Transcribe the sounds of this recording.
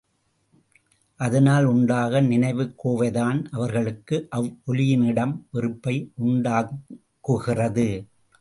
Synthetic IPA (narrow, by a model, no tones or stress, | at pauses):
ʔɐðɐnaːlʊɳɖaːɣɐnɪnɐɪʋɯkːoːʋɐɪðaːnʔɐʋɐɾɣɐɭɯkːɯʔɐʋʔɔlɪjɪnɪɽɐmʋɪɾɯpːɐɪʔʊɳɖaː | kːuːɣɪrɐðɯ